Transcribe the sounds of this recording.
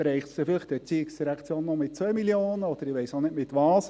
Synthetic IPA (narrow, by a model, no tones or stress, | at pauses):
ɾɛɪχəfɪləχd̥̪ɛt͡siːɪksdiɾɛkt͡sjoːnːɔmɪt̚t͡sʋœʏmiljoːnəɔd̥̪əɾɪʋɛɪsonɪtmɪt̪ʋɑːs